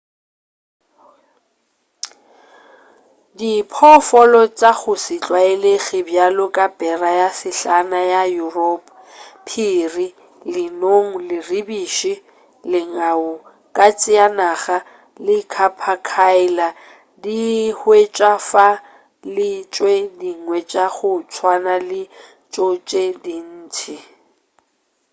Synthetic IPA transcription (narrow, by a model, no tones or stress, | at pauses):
dipʰɔfɔlɔt͡sʼak͡xʰʊsit͡ɬʼwaɪleɣɪbjalʊkʼabɛrajasɪɬanajajurɔpʼ | pʰiri | lɪnoŋ̩lɪribiːʃi | lɪŋaʊ | kʼat͡sʼɪanaɣa | lɪkʰapʰakʰaɪla | dihwet͡ʃʼafa | lɪt͡ʃʼwediŋwɛt͡ʃʼaɣʊt͡sʰwanalɪ | t͡ʃʼot͡ʃʼedin̩ːtʰɪ